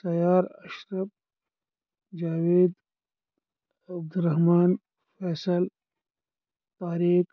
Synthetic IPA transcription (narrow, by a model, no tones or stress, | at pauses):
t̪ɐjaːɾɐʃɾɐb | d͡ʒaːweːd̪ | ɐb̚d̪uɾɐhmɑːn | fɛːsəl | t̪aːɾiːk